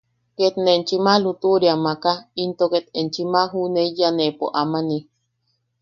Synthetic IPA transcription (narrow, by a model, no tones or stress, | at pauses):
ket̪nent͡ʃimalut̪uɾjamakaint̪oket̪ent͡ʃimaɦuneijanepo̰ʔamani